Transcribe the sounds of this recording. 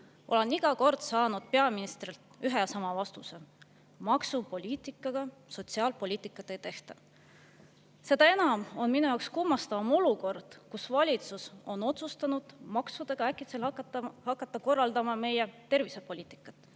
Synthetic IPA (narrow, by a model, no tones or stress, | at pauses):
ʔo̞̰le̞niɡ̥ɑko̞rd̪̥sɑːnud̪̥̚pe̞ɑminist̪rilt̪yɦejɑsɑmɑvɑst̪use̞ | mɑksupo̞lʲiːt̪ˑikːˑɑɡ̥ɑ | so̞t̪siɑːlpo̞lʲiːt̪ːˑikːˑɑt̪ːˑejt̪e̞ht̪ɑ | se̞d̪̥ɑe̞nɑmo̞nminujɑwkskumːɑst̪ɑvɑmo̞luko̞rd̪̥kusvɑlʲit̪suso̞no̞t̪sust̪ɑnud̪̥mɑksud̪̥e̞ɡ̥ɑækːˑit̪selhɑkːˑɑt̪ːˑɑko̞rːɑld̪ɑmɑme̞je̞t̪e̞rvisepo̞lʲiːt̪i̥kːˑɑt̪ːˑ